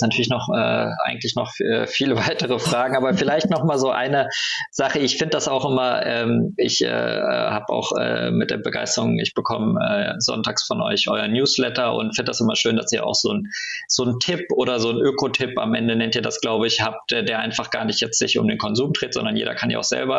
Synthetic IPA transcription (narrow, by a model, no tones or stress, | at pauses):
natʰyːɐlɪç̬nɔχʔɛ̰ːʔa̰ɪɡŋ̩tlɪçnɔχɛ̰ːfiːləvaɪtəʁ̞əfʁ̥aːɡŋ̩ʔaːbɐfɪlaɪçtnɔχmaːlzoːʔa̰ɪnəz̥aχəɪçfɪndəd̥asaʊxʔɪmɐʔɛːmɪçʔɛ̰ːɛhaːba̰ʊxʔɛ̰ːmɪt̚d̥eːɐbəɡa̰ɪstəʁʊŋɪ̰çb̥əkʰɔməʔɛ̰ːzɔ̰ntaːksfɔnʔɔ̰ʏçʔɔʏɐnjuːslɛtɐʊ̰ntfɪndədasʔɪmɐʃøːndasiːɐa̰ʊxz̥oːnz̥oːntʰɪpʔoːɾɐzoːnʔøːkʰotʰɪpa̰mʔɛndənɛntiːɐdasɡ̥laʊbəɪçhaːp̚tʔɛːdeːɐʔaɪnfaχɡ̥a̰ːɐnɪçtjɛt͡stz̥ɪçʊ̰mdeːnkʰɔnzuːmd̥ʁeːtz̥ɔ̰ndɐnjḛːdɐ̰kʰanjḭa̰ʊxz̥ɛ̰lbɐ